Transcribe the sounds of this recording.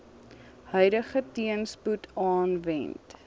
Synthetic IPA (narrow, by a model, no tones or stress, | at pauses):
hœjɾəχətiənsputʰɑːnvɛ̰nt